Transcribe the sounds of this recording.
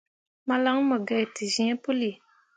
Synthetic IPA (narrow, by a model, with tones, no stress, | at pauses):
ma˦la˦ŋ˦mə˨ɡa˨i˨ti˨zĩ˨˦ɛ˦pu˦li˨